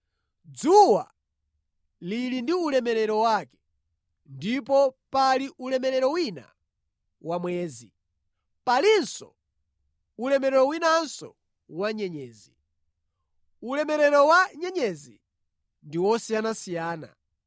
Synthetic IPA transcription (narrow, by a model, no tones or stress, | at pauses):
d͡zuwa | lilindiulɛmɛɾɛɾɔwakɛ̥ | ndip̬ɔpaliʔulɛmɛɾɛɾɔwina̰ | wamwɛːzi | palinsɔ̰ | ulɛmɛɾɛɾɔwinansɔ̰ | waɲɛɲɛːzi | ulɛmɛɾɛɾɔwaɲɛɲɛzi | ndiwɔsijanasijaːna̰